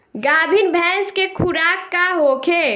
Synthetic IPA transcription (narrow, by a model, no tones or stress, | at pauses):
ɡaːbʱinbʱɛ̃ːskekʰʊɾaːkːaɦoːkʰe